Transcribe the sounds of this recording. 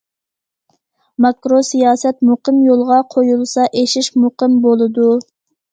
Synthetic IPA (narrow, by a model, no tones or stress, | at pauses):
mɑkɾosijɑːsɛt̪muqəmjolˠʁɑqʰojulˠsɑʔeʃiʃmuqəmbolˠɨd̪u